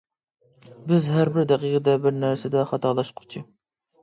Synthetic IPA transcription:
bɪzɦæɾbɪɾd̪æqʰiqʰɨd̪ɛbɪɾnæɾsɪd̪ɛχɑt̪ʰɑlˠɑʃqʰʊ̥t͡ʃʰɪ

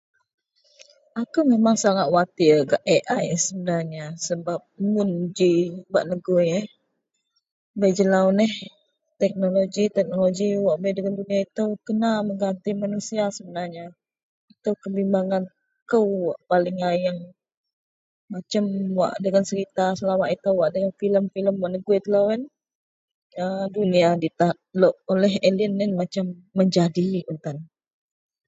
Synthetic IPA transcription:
akumemaŋsaŋat̪̚wat̪iɡaʔɛʔajsəbənarɲasəbap̚mund͡ʒibaʔnəɡujəh | bajd͡ʒəlawnəh | t̪ɛk̚noloɡit̪ɛk̚noloɡiwaʔbajdəŋanduniait̪əwkənaməŋɡant̪imanusiasəbənarɲa | it̪əwkəbimbaŋan | kəwwa̰ʔpalɪŋajaŋ | mat͡ʃamwa̰ʔdəŋansəɾit̪asəlamaʔit̪əwwaʔdəŋanfiləmfiləmwaʔnəɡuit̪əlawɛn | əduniadit̪aʔloʔolɛɦelənɛnmat͡ʃamːəɲd͡ʒadiunt̪an

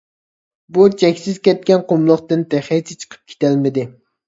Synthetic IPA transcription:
but͡ʃʰɛkʲsɪzkʲɛt̪̚kʲɛnqʰomlˠəχt̪ɨnt̪ʰɛχɛjsɪt͡ʃʰə̥qʰə̥p̚kʲʰe̥t̪ʰælmɪd̪ɪ

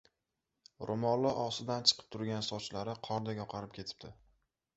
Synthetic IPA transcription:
ɾʔomɒlˠːɒʔɒsɪd̪ant͡ʃʰɨ̥qʰɨ̥p̚t̪ʰʊɾɡʲansɒt͡ʃlaɾɪqʰɒɾd̪aɡʲɒqʰɑɾɪp̚kʲʰe̞t̪ʰɪ̥p̚d̪ɪ

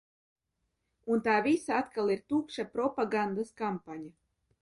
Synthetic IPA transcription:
unt̪aːvisaat̪kalˠiɾt̪uːkʃapɾɔpaɡand̪askampaɲa

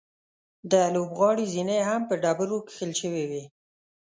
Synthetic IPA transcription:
d̪əlobɣɑɽizineɦampəɖɑbəɾoki̥xəlʃəwiwi

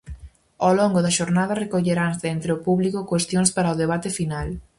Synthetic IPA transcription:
owloŋɡʊðɐʃoɾnað̞ɐrekoʎeɾaŋðent̪ɾeʊpuβlikokwest̪joŋspaɾɐoðeβ̞at̪ɪfinal

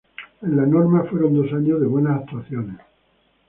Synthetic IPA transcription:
enlanoɾmafwe̞ɾond̪o̞saɲozðe̞βwe̞nasakt̪waθjones

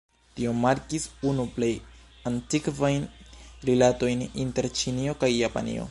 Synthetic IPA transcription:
tio̞maɾkisunuple̞j | antikvajnɾilato̞jninte̞ɾt͡ʃinio̞kajːapa̰nḭo̞̰

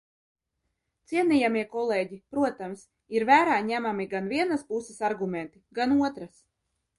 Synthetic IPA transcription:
t̪siɛnijamiɛkɔlˠeːɟipɾuɔt̪ams | iɾvæːɾaːɲæmamiɡanvʲiɛnaspusɛsaɾɡumʲɛnt̪iɡanuɔt̪ɾas

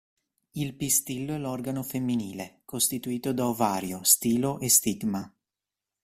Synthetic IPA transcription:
ilpist̪ilːoɛlɔrɡanofemːiniːlekost̪it̪uiːt̪od̪aovaːɾjost̪iːloʔest̪iɡma

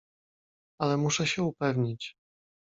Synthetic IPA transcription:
alɛmuʂɛɕɛupɛvɲit͡ɕ

